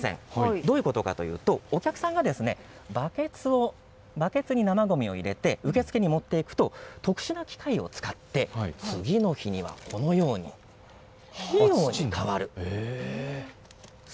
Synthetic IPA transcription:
sḛ̃ŋd̪o̞ːi̟ko̞t̪o̞ka̰t̪o̞̰jɯ̟ːt̪o̞ːkʲakɯ̟̥sãŋɡad̪e̞sɨne̞ | baket͡sɨo | bake̞t͡sɨɲ̟inamaɡo̞mʲio̞̰iɾe̞t̪e̞ɯ̟ke̞t͡sɨ̥ke̞ɲ̟imo̞t̪ːe̞ikɯ̟̥t̪o̞t̪o̞kɯ̟̥ɕinakʲi̥kaio̞̰t͡sɨ̥kat̪ːe̞t͡sɨɡʲino̞çiɲ̟iβa̰kʰo̞no̞jo̞ːɲ̟ḭ | okaβaɾɯ̟

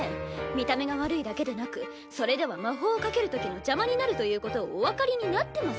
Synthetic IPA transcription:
mʲit̪ame̞ɡaβaɾɯ̟id̪ake̞d̪e̞nakɯ̟ | so̞ɾe̞d̪e̞βamaɦo̞ːkake̞ɾɯ̟t̪o̞kʲino̞d͡ʑamaɲ̟inaɾɯ̟t̪o̞jɯ̟ːko̞t̪o̞ːβakaɾʲiɲ̟inat̪ːe̞mas

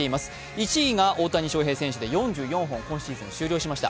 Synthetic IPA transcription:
e̞imasɨ̥ | it͡ɕiːɡaʔo̞ːt̪aɲ̟iɕo̞ːɦe̞ːsẽ̞ɰ̃ɕɨd̪e̞jõ̞ɲ̟d͡ʑɨːjõ̞ɰ̃ɦõ̞ŋkõ̞ɕiizɨ̃ɲiɕɨːɾʲoːɕimaɕi̥t̪a̰

